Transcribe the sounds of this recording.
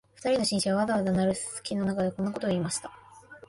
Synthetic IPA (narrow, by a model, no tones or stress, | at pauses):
ɸɯ̟̥t̪aɾʲino̞ɕĩɰ̃ɕaβaβazaβad̪anaɾɯ̟ssɨ̥kʲino̞nakad̪ekõ̞nːako̞t̪o̞iːmaɕi̥t̪ḁ